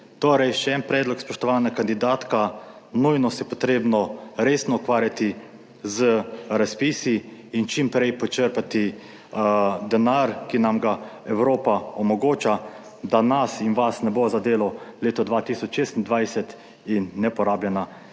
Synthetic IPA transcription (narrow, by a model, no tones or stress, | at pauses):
t̪oːɾɛjʃɛɛnpɾɛːd̪lɔkspɔʃt̪ɔʋaːnakand̪id̪aːt̪ka | nujnɔsɛpɔt̪ɾeːbnɔɾeːsnɔukʋaːɾjat̪i | zəɾaspiːsiːnt͡ʃimpɾɛjpɔt͡ʃəɾpat̪i | d̪ɛnaɾkinamɡaɛwɾoːpaɔmɔɡoːt͡ʃa | d̪anasinʋasnɛbozad̪eːlɔleːt̪ɔd̪ʋat̪isɔt͡ʃʃeːst̪ind̪ʋajsɛt̪ | inːɛpɔɾaːbljɛna